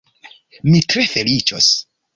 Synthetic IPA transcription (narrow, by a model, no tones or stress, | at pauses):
mitɾefe̞lit͡ʃo̰s